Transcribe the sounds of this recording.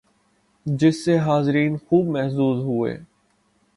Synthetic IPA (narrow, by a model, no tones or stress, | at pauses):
d͡ʒɪsːeɦaːzɪɾiːnxuːbmɛɦsuːzɦʊḛː